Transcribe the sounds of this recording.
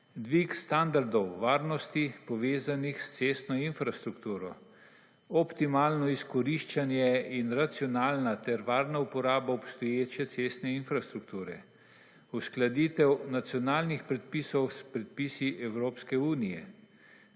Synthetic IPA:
d̪ʋikst̪and̪aɾd̪ɔwʋaːɾnɔst̪ipɔʋeːzanixst̪sest̪nɔinfɾast̪ɾukt̪uːɾɔ | ɔpt̪imaːlnɔiskɔɾiʃt͡ʃanjɛinɾat̪siɔnaːlnat̪ɛɾʋaːɾnaupɔɾaːbaɔpst̪ɔjeːt͡ʃjɛt̪sest̪nɛinfɾast̪ɾuk̚t̪uːɾɛ | usklad̪iːt̪ɛwnat̪sjɔnaːlnixpɾɛt̪̚pisɔwspɾɛt̪̚piːsiʔɛwɾoːpskɛuːnijɛ̰

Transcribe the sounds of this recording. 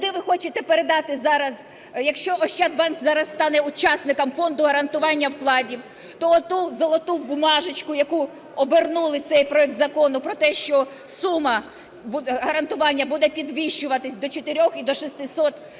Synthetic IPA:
d̪ɪʋɪxɔt͡ʃɪt̪ɛpeɾed̪ɑt̪ɪzɑɾɐz | jɐkʃt͡ʃɔʔɔʃt͡ʃɛd̪̚bɑnkzɑɾɐsst̪ɑnɛʊt͡ʃɑsnɪkɐmfɔnd̪ʊɦɐɾɐnt̪ʊʋɑnʲːɐwklˠɑdʲiw | t̪ɔt̪uzɔlˠɔt̪ubʊmɑʒɪt͡ʃkʊjɐku | ɔbernulˠɪt̪sɛjpɾɔɛk̚t̪zɐkɔnʊpɾɔt̪ɛʃt͡ʃɔ | sumɐ | bɦɐɾɐnt̪ʊʋɑnʲːɐbud̪ɛpʲid̪ʋʲiʃt͡ʃʊʋɐt̪ɪsʲd̪ɔt͡ʃet̪ɪɾʲɔxid̪ɔʃist̪ɪsɔt̪

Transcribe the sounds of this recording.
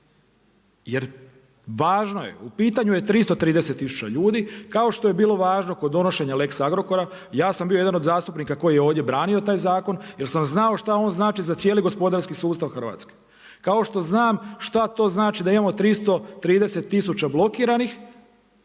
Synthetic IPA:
jeɾ | ʋaːʒno̞jḛupiːt̪aɲuje̞t̪ɾist̪ot̪ɾiːd̪e̞se̞t̪ːisu̥t͡ɕa̰ʎuːd̪ikao̞ʃt̪o̞je̞biːlˠo̞ʋaːʒno̞ko̞d̪ːo̞no̞ʃe̞ɲale̞ksaɡɾo̞ko̞ɾa | jaːsambioje̞d̪anod̪zaːst̪upnikako̞jijeoːʋd̪je̞bɾaːnio̞t̪aːjzaːko̞nje̞lsamznao̞ʃt̪ao̞ːnznaːt͡ʃizat̪sje̞ːliɡo̞spo̞d̪aɾskisuːst̪aʋxrʋa̰t̪ske̥ | kao̞ʃt̪o̞znaːmʃt̪at̪o̞znaːt͡ʃid̪aimamo̞t̪ɾist̪o̞t̪ɾiːd̪e̞se̞t̪ːisut͡ɕablˠo̞kiːɾanix

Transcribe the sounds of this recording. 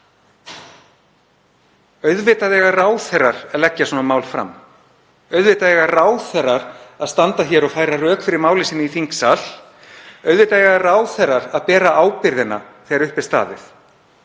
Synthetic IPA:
œɥðvɪːt̪aðɛːɣaraːwθɛrːaɾ̥aðlɛcːasɔːnamaːwlfɾa̰m | œɥðvɪt̪aðɛɣaraːwθɛrːaɾaðst̪ant̪açɛːɾaɣfaːjɾarœːkfɪɾɪɾmaːwlɪsiːnɪifiŋksal | œɥðvɪːt̪aðɛɣaraːwθɛrːaɾaðpɛːɾaʔaːwpɪɾðɪna̰θɛːɣaɾʏhpɪ̥st̪a̰ːðɪ̰θ

